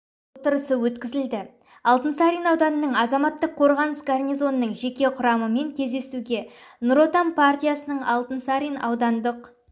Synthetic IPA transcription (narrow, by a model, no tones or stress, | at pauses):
wot̪əɾəsəwɵt̪kʲɪzɪld̪ɪ | ɑlˠt̪ənsaɾʲinɑwd̪ɑnənəɴɑzɑmɑt̪ːəqʰːo̞ɾʁɑnəsɡarnʲijzo̞nənːəɴʒe̞kʲe̞qʰʊɾɑməme̞ŋkʲʰe̞zd̪e̞suɡʲe̞nʊɾo̞t̪ampʰart̪ʲijasənəɴɑ̰lˠt̪ənsaɾʲijnɑ̰wd̪ɑnd̪əq